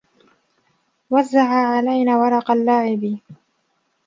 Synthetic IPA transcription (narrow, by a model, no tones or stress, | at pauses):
wazːaʕaːʕalajnaːwɑɾˤɑqɑlːaːʕɪb